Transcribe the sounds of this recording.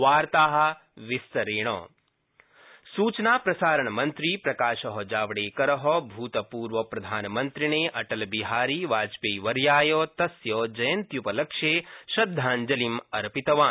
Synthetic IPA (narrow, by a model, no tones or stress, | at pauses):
ʋaːɾt̪aːɦɐ̆ | ʋist̪ɐɾeːɳ̃ɔ̰ː | suːt͡ʃnaːpɾɐsaːɾɐɳɐmɐnt̪ɾiːpɾɐkaːʃɐɦɔd͡ʒaːʋɽeːkɐɾɐɦɔbʱuːt̪ɐpuːɾʋɐpɾɐd̪ʱaːnɐmɐnt̪ɾiɳeːʔɐʈɐlbiɦaːɾiːʋaːd͡ʒpeːʋɐɾjaːjɔːt̪ɐsjɔːd͡ʒɐjɐnt̪jupɐlɐkʃeːʃɐd̪ʱːaːnd͡ʒɐlimɐɾɐpit̪ɐʋaː